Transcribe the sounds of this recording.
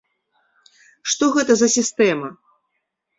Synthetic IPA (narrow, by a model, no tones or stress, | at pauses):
ʂt̪ɔɣɛt̪ɐzɐsʲist̪ɛmɐ